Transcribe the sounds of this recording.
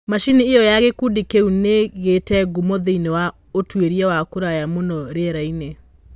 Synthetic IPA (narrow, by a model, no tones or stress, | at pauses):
maʃiniːɔjaɣekudikeuneɣetɛɡumoðeinewa | otweɾiɛwakoɾajamonɔɾeɾaine